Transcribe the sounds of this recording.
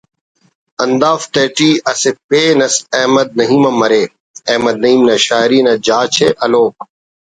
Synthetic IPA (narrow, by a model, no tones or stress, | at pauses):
ɐnd̪aːft̪eːʈiːɐsepeːnɐsɐɦmɐd̪̚nɐɦiːmɐmɐɾeː | ɐːmɐd̪̚nɐɦiːmnɐʃaːɾiːnɐd͡ʒaːt͡ʃʰeːʔɐloːk̚